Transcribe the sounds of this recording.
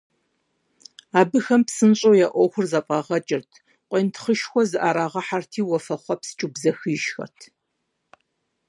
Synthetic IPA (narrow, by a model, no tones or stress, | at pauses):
aːbɨxɐmpsɨnɕʼoːjaːʔʷɔxʷʊrzɐpʼɑʁɐt͡ʃʼɪrtʰ | qʷʼeːntʰχəʃxʷɔzɨʔaːɾaːʁɐħartʰiːwɔfɐχʷɔpsɨ̥t͡ʃʼubzɐxɨjʃxɐ̰rtʰ